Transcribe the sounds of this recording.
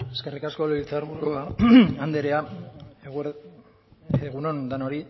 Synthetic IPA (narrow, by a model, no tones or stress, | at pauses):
e̞ske̞rikasko̞lilt͡saɾβuɾuaand̪eɾeaɣ | eɣunond̪anoɾi